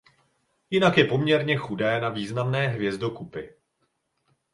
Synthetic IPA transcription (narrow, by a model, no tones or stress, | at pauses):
jɪnakjɛpo̞mɲɛɾɲɛxudɛːnaviːznamnɛːɦvjɛzdo̞kupɪ